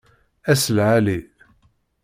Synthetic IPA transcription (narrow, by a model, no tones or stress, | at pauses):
æsəlʕali